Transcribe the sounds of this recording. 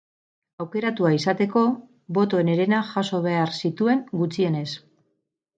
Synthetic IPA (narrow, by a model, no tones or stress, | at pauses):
awke̞ɾat̪uaisat̪e̞ko̞ | βo̞t̪o̞ene̞ɾe̞naʝaso̞β̞e̞aɾsit̪ue̞ŋɡut͡sie̞ne̞s